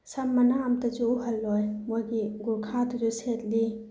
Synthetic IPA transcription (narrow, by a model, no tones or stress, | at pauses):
sɐmːɐnaːmtɐd͡ʒuuɦɐlːɔjmojɡiɡuɾkʰatud͡ʒuset̚li